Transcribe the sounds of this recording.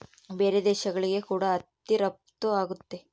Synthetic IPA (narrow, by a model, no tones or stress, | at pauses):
beːɾed̪ɛːʃɐɡɐɭiɡe̞kuːɽɐɐt̪ːiɾɐp̚t̪uaːɡut̪ːe̞